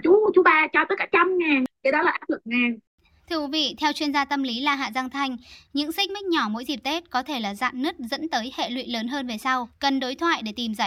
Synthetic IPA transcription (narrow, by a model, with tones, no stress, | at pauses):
t͡ɕu˨˦˧t͡ɕu˨˦ɓaː˧t͡ɕaː˧˩t̪əː˨˦jkaː˧˩t͡ɕa˧mŋaː˨˩nkə˨˦ɗɔ˨˦laː˨˩ʔa˨˦˥fɨ˧˩əŋŋaː˨˩n | t̪ʰɨ˧əkwi˨˦vḭ˧˨t̪ʰɛ˧wt͡ɕwi˧ənzaː˧t̪ə˧mli˨˦laː˨˩ɦa̰ː˧˨za˧ŋt̪ʰa˧jŋ̟ɲɨ̰˧˥ŋsï̟˦˥ma˦˥k̟̚ɲɔ˧˩mo̰˧˥jzi˨˩p̚t̪e˦˥t̚kɔ˨˦t̪ʰe˧˩laː˨˩za̰ː˧˨nːɨ˦˥t̚zə̰˧˥nt̪əː˨˦jhḛ˧˨lwḭ˧˨ləː˨˦nɦəː˧nve˨˩sa˧wkə˨˩nɗo˨˦jt̪ʰwa̰ː˧˨jɗe˧˩t̪i˨˩mzə˧˩j